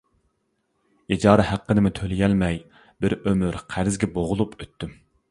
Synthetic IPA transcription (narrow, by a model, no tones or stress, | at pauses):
id͡ʒɑːɾɨhæqːənɪmɪt̪ʰølɪjɛlmɛj | bɪɾømyɾqʰæɾɪzɡʲɛboʁʊlˠupʰøt̪ʰːym